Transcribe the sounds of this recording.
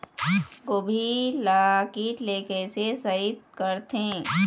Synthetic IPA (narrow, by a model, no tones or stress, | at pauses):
ɡobʱilaːkiːʈleːkesesəɪt̪̚kəɾt̪ẽː